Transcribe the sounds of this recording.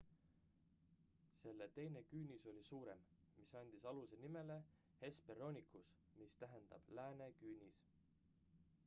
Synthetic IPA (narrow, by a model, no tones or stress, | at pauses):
se̞lːet̪e̞jne̞kyːnʲiso̞lʲisuːɾe̞mmisɑnʲd̪̥isɑluse̞nime̞le̞ | he̞spero̞nʲikus | mist̪æɦe̞nd̪̥ɑ̰b̥læːne̞kyːnʲis